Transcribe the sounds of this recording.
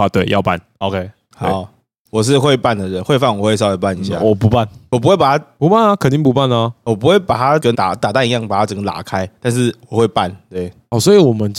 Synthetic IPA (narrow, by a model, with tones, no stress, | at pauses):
a˨˧˩t̪we˥˩ɪjɑ˥˨ʊpa̰˥˨n | o˧ʊkʰe˦˥ɪ | ha˨˦ | wɔ˨˩ʂ̬ɻ̩˥˧xwe˥˧ɪpa˥˩nd̪ə˨˩d̪ə˨˩xwe˥˧ɪfa˥˩nwɔ˨˩we˥˩s̬we˥˩pa˥˨ni˧˨˦ɕjja̰˥˧˨wɔ˨˩pu˧˦˥pa˥˨nwɔ˨˩u˧˥we˥˩pa˨˩t̪a˥pu˧˦pa˥˩nə˨˩kʰə˨˩nt̪i˥˩ŋpu˧pa˥˩nə˨˩wɔ˨˩p̬u˧˦xwe˥˩ɪpa˨˩t̪ʰa˦˥kə˦nt̪a̰˨˩t̪a˨˩t̪a˥˧ɪi˧jɑ˥˩ŋpa˨˩t̪ʰa˦˥ʈ͡ʂə˨˩ŋɡə˦t̪a̰˨˩kʰa˦ɪt̪a˥˧nʂ̬ɻ̩˥˩wɔ˨˩xwe˥˧ɪpa˥˨nt̪we˥˩ɪ | ɔ˥˩swɔ˧˥i˨wɔ˨˩mə˦n